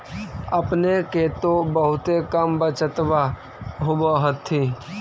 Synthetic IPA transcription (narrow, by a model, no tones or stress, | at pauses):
əpneket̪obəɦʊt̪ekəmbət͡ʃət̪ʋa | ɦoboɦət̪ʰːiː